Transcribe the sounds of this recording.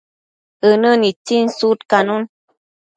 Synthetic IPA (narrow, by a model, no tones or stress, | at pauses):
ənənit͡sinsut̪kanun